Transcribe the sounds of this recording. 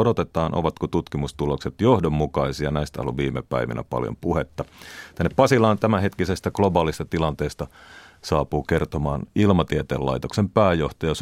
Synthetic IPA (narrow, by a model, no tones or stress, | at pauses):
odot̪et̪ɑːnʔo̰ʋɑt̪kot̪ut̪kimust̪ulokset̪johdomːukɑisiɑnæist̪æɑ̰luʋʋiːmepæ̰iʋḭnæ̰pɑ̰ljo̰mpuhet̪ːɑt̪ænːeppɑsilɑːnt̪æmæhet̪kisest̪æɡ̥lobɑːlist̪ɑt̪ilɑnt̪eːst̪ɑsɑːpuːkert̪omɑːnilmɑt̪iet̪ḛːlːɑ̰it̪oksempæːjoht̪ɑjɑs